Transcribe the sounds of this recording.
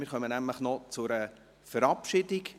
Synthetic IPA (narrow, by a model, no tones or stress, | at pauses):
mɪːɾχœmənæmləχnɔt͡sʊɾə | fəɾɑpʃɪdɪk